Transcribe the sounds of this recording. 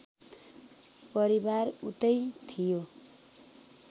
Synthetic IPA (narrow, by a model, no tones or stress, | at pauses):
pʌɾibarṵt̪ʌjt̪ʰijo